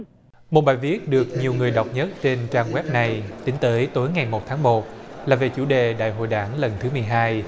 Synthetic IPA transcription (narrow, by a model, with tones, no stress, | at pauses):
mo˨˩t̚ɓaː˨˩jvi˦˥ət̚ɗɨ˨˩ək̚ɲi˨˩əwŋɨ˨˩əjɗa˨˩wk͡p̚ɲə˦˥t̚t͡ɕe˧nt͡ɕaː˧ŋɣwɛ˦˥p̚na˨˩jt̪ï˨˦ŋ̟t̪əː˨˦jt̪o˨˦jŋa˨˩jmo˨˩t̚t̪ʰaː˨˦ŋmo˨˩t̚laː˨˩ve˨˩t͡ɕṵ˧˩ɗe˨˩ɗa̰ː˧˨jɦo̰˧˨jɗaː˧˩ŋlə˨˩nt̪ʰɨ˨˦mɨ˨˩əjɦaː˧j